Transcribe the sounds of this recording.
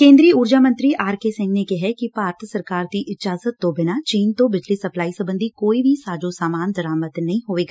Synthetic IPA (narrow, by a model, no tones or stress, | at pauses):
kẽːnd̪ɾiːəʊːɾd͡ʒaːmə̃nt̪ɾiaːɾkesɪ̃ŋɡnekɛɦɛkipaːɾt̪ʰsəɾkaːɾd̪iʔɪd͡ʒaːzət̪ːõbɪnat͡ʃiːnt̪õbɪd͡ʒlisɐplaːisəbə̃nd̪ʱikoːibʱisaːd͡ʒosaːmaːnd̪əɾaːmət̪nɐɦĩɦoːʋeːɡaː